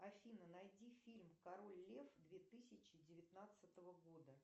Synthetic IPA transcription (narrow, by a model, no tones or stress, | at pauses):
ɐfʲinənɐjdʲifʲilʲmkɐɾo̞lʲlʲefd̪vʲet̪ɨsʲɪt͡ɕɪdʲɪvʲɪt̪nat̪sət̪əvəɡo̞d̪ə